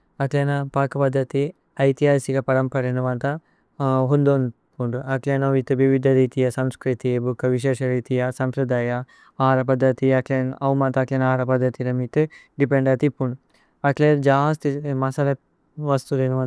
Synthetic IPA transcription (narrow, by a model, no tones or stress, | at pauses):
ɐklenɐpaːkɐpɐd̪ʱːɐt̪i | ɐjt̪ijaːsikɐpɐɾɐmpɐɾenɐʋɐnt̪ɐ | ɦund̪on | puɳɖuɐklenɐʋit̪ɨʋiʋid̪ʱɐɾiːt̪ijɐsɐmskɾit̪ibukːɐʋiʃ̬eːʃɐɾiːt̪ijɐsɐmpɾɐd̪aːjɐ | aːɾɐpɐd̪ʱːɐt̪iɐkleːnɐwmɐnt̪ɐːklenɐaːɾɐpɐd̪ʱːɐt̪ilɐmit̪ɨ | ɖipeɳɖɐt̪ipːuɳɖu | ɐkleɾd͡ʒaːst̪imɐsɐlɐ | ʋɐst̪ulenɐʋɐ